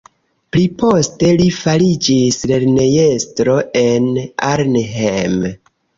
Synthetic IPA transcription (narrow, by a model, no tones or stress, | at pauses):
plipo̞ste̞lifalid͡ʒisle̞ɾne̞je̞stɾo̞ʔe̞na̰ɾneɦem